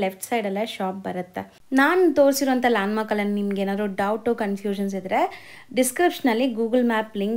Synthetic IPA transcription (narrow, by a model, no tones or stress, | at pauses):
lefʈsɐjɖɐlːɐʃaːp̚bɐɾɐt̪ːe | naːnut̪o̞ːɾsiɾoɐnt̪ʰɐlaːnmaːkɐlːɐnɐnimɐɡeːnaːd̪uɖɐwʈukɐnfʰjuːʃɐns̬id̪ɾe | ɖiskɾipʂɐnɐlːiɡuːɡɐlmaːpliŋk